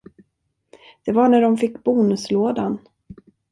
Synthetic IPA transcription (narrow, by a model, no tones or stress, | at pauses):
d̪̥ɛvaɳæɖɔmfɪkːbuːnɵsloːd̪an